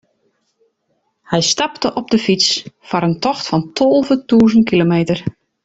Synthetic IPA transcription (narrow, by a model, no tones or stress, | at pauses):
hɛjstɑptəʔɔb̚dəfit͡sfɔɾəntʰɔxtfɔntʰɔlˠvətuːzəntkilomeːtər